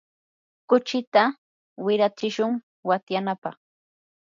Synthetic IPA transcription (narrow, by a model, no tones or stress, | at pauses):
kʊt͡ʃɪt̪a | wɪɾat͡ʃɪʃʊŋ | wat̪janapɑχ